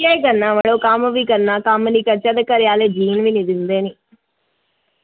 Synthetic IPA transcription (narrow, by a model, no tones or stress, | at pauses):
jaːjkɐnːamɐɭokaːmɐʋikɐnːakaːmɐnikɐt͡ʃɐd̪ɐkɐɾjaːled͡ʒiːnʋinid̪ind̪eːni